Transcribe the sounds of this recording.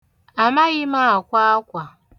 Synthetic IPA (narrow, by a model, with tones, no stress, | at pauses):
a˨ma˦ɣɪ˦ma˦a˨kʷa˦a˦kʷa˨